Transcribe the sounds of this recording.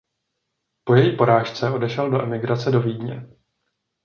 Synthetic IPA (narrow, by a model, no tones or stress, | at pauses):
po̞jɛjiːpo̞ɾaːʃt͡sɛo̞dɛʃɛldo̞ʔɛmɪɡɾat͡sɛdo̞viːdɲɛ̰